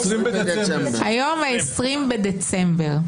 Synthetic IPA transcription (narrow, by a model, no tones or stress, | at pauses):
hajo̞maesʁimbed̪et͡sembeʁ